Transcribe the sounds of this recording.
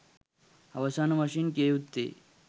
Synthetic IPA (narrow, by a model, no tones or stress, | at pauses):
aʋəsanməɕinkeut̪ːḛ